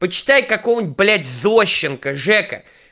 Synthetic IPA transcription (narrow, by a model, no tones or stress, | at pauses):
pət͡ɕɪ̥t̪ajkɐkojnʲt̪̚ʲblʲætʲzoɕːɪnkəʐɛkə̰